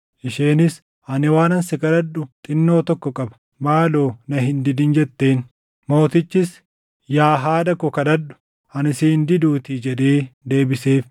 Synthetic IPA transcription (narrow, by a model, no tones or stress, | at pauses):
ʔɪʃeːnɪs | ɐnɪwaːnɐnsɪkɐd̪ɐdːʊt̪ʼɪnːo̞ːt̪ɔkːɔkʼɐbɐ̥ | maːloːnɐɦɪnd̪ɪd̪ɪnd͡ʒɛt̪ːe̞ːn | mo̞ːt̪ɪt͡ʃːɪs | jaːɦaːd̪ɐkʊkɐdɐdːʊ̥ | hɐnɪsind̪ɪd̪uːt̪ɪd͡ʒɛᶑ̪e̞ːd̪e̞ːbɪse̞ːf